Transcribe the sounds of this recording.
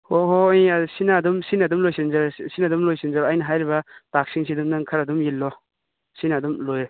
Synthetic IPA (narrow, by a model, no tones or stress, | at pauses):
oɦoajisinadumsinɐdumlojsinzaɾsinɐdumlojsinzaɾajnɐɦajɾiβɐtak̚siŋsidumnaŋkʰɐɾɐdumjilːɔ | sinadumlojɾe